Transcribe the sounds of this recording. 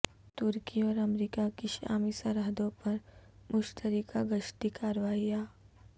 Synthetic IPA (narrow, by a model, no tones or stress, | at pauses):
t̪ʊɾkiɔːɾɐmɾiːkakɪʃa̰ːmisɐɾəɦd̪õpɐɾmʊʃt̪əɾikaɡəʃʈ̪ikaːɾʋaːɦiaː